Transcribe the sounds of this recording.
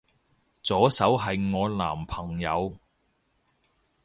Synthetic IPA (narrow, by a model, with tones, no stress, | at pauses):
t͡sɔː˨˥sɐ˨˥wɦɐ˨jŋɔː˨˧la̰ː˨˩mpʰɐ˨˩ŋjɐ˨˧w